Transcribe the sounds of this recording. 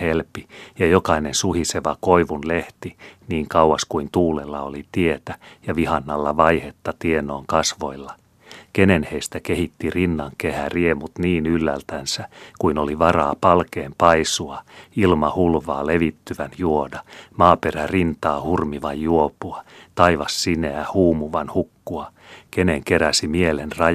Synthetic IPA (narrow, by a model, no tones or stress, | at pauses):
helpijɑjokɑinensuhiseʋɑko̞iʋunleht̪iniːŋkɑuwwɑskuint̪uːlelːɑolit̪ie̞t̪æjɑʋihɑnːɑlːɑʋɑjhe̞t̪ːɑt̪ienˑoːŋkɑsʋo̞̰ilːɑ | kenenheist̪ækehit̪ːirinːɑŋkehæriemut̪niːnylːælt̪ænsækuinoliʋɑrɑːpɑlkeːmpɑisuɑilmɑhulʋɑːleʋit̪ːyʋænjuodɑmɑːperærint̪ɑːhurmiʋɑjːuopuɑt̪ɑiʋɑsːineæhuːmuʋɑnhukːuɑ | keneŋkeɾæsimielenrɑ